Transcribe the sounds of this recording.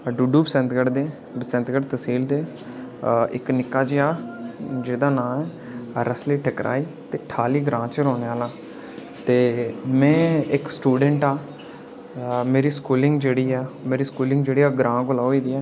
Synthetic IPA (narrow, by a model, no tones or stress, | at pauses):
ɖuːɖuːbəsɛ̃nt̪ɡəɽd̪eː | bəsɛ̃nt̪ɡəɽt̪əsiːld̪eː | ɪknɪkːaːt͡ʃːaːd͡ʒeːd̪aːnãːɛː | ɾəsleːʈʰəkɾʔa̰ːiːt̪eːʈʰaːliːɡɾãːt͡ʃəɾoːneːaːlaː | t̪eːmɛ̃ːɪksʈuːɖəɳʈaː | meːɾiːskuːlɪŋɡd͡ʒeːɽiːɛːmeːɾiːskuːlɪ̃ŋɡd͡ʒeːɽiːaːɡɾãːɡʊlaːoiːd̪iːɛː